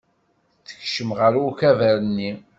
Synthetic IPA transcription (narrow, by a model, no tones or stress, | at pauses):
θə̥çʃəmʁəɾuçævæɾənːi